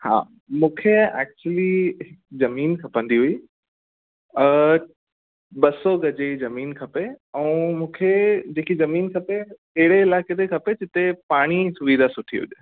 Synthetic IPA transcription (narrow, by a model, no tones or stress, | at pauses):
ha̰ː | mũːkʰeɛ̰ːk̚t͡ɕuəliɦɪkzɐmiːnkʰɐpə̃nd̪iɦʊiː | ə | ɓɐsoɡɐd͡ʑezɐmiːnkʰɐpeɛ̃ːmũːkʰed͡ʑeːkizɐmiːnkʰɐpe | eɦɪɽeɪlaːket̪ʰekʰɐped͡ʑɪt̪epaːɽ̃isʊʋid̪ʱasʊʈʰḭɦʊ̰ʄ